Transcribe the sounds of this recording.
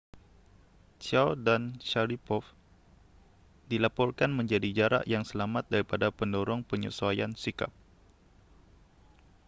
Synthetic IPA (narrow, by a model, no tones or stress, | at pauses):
t͡ʃawdanʃaɾipɔf | dilapɔrkanməɲd͡ʒadid͡ʒaɾa̰ʔjaŋsəlamat̪̚daɾipadapəndɔɾɔŋpəɲṵsuajansika̰p̚